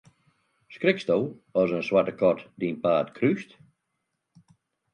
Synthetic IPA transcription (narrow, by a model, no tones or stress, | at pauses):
skrɪkstolˠɔzənswatəkʰɔtdinpaːtkʰryst